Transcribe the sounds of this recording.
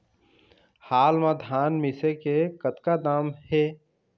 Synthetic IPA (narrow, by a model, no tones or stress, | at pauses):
haːlmãd̪ʱaːnmɪsekekət̪kad̪aːmheː